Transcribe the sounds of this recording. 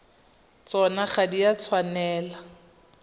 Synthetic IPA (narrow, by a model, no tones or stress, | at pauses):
t͡sɔnaχadiat͡sʰwanɛːla